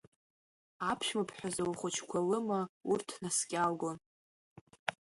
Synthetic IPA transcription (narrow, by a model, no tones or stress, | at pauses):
apʰʃmapʰħʷᶣazawχʷʊt͡ʃʰkʷʰalɨmaurtʰnaskʲʼalɡon